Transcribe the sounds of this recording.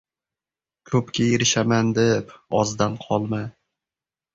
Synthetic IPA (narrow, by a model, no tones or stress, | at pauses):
kʰɵpkʲʰajeɾɪʃamand̪epɒzd̪anqʰɒlˠma